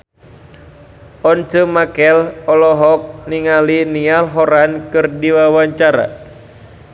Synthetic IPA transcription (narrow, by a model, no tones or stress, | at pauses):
ʔɔnt͡ʃəmakɛlɔlɔɦɔk̚niŋalinialɦɔɾankɨrdiwawaɲt͡ʃaɾa̰